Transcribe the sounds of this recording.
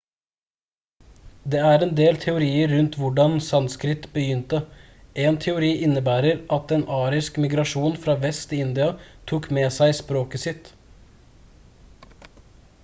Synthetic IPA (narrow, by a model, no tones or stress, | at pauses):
d̪eːæɾɛːnd̪eːlt̪ʰɛʊɾiːəɾːʉnt̪ʋʊɖɑnsɑnskɾɪt̪bəjʏnt̪ə | ʔeːnt̪ʰɛʊɾiːʔɪnːəbæːɾəɾʔɑt̪ɛeːnʔɑːɾɪskmɪɡɾɑʂuːnfɾɑːʋɛst̪ʰɪɪnd̪ɪɑt̪ʰuːkmeːsæɪspɾoːkəsɪt̪